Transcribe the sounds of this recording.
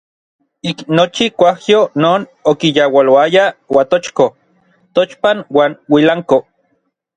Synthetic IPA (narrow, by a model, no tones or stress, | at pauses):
iknot͡ʃikʷahjonoːnokijawaloajawat̪ot͡ʃko | t̪ot͡ʃpanwaːnwilaŋko